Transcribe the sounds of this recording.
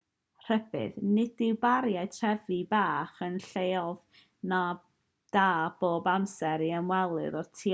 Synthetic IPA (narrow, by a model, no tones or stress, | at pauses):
r̥ɛbɨ̰ðnɪd̥ɪwbaɾjaɨtʰr̥ɛvibaːχənɬejɔv | na | d̥aːb̥oːbamsɛɾiəmwɛlˠɨ̰ɾɔtʰi